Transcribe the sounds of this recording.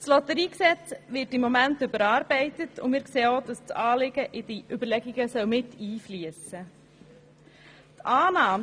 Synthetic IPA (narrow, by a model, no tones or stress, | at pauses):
slɔtəɾiːksɛt͡sʋɪtɪmːɔmæntʏbəɾɑːɾb̥ɛɪtətʊ̰mɪːɾkseːod̥ɑst͡sɑːlɪɡ̥əʔɪd̥iʔʏbəɾlɛɡiɡ̥əsœwmɪtʰiːfliəsə | tʰʔɑːnɑːm